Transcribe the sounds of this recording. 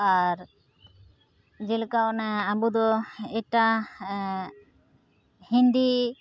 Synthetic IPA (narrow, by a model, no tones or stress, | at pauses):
aɾ | d͡ʒɛlkaʔnaabud̪ɔɛʈa | hĩnd̪i